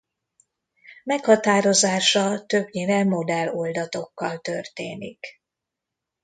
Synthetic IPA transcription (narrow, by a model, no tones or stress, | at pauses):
mɛkhɒt̪aːɾo̞zaːʃɒt̪øbɲeːnɛmo̞d̪ɛlo̞ld̪ɒt̪o̞kːɒlt̪ø̞rt̪eːnḭk